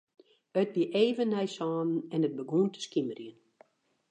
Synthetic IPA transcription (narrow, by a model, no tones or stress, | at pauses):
ət̚biʔeːvənːɛjsɑːnn̩ɛnət̚bəɡuntə̥skimərjən